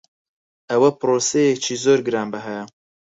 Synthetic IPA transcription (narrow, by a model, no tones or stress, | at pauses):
ɐwɐpɨɾoːsejet͡ʃʰiːzoːɾɡɨɾaːnbɨɦɛ